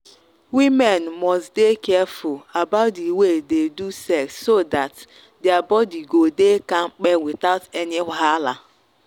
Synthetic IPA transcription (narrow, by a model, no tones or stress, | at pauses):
wimenmɔstdekɛfʊlabaʊt̚ddiwededusɛksːodat | deabɔdiɡodekaŋ͡m̩k͡pewɪtaʊtenɪɦaala